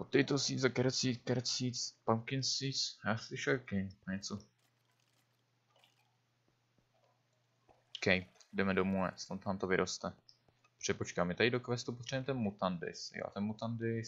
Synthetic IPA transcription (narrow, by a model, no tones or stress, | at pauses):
pot̪ːɛjt̪osiːzakɛɾɛt͡siːkɛɾt͡sit͡spawkɪnsit͡sjaːslɪʃɛlkɛjoɲɛt͡so | kɛjdɛmɛdomuɛ̰st̪ot̪aːmt̪ovɪɾʔost̪ɛ | pr̝̥ɛpot͡ʃkaːmjɛt̪adɪdokvɛst̪up̬ot̪r̥aimɛt̪ɛnmut̪andɪ̰sjo̰t̪ɛnmot̪andɪ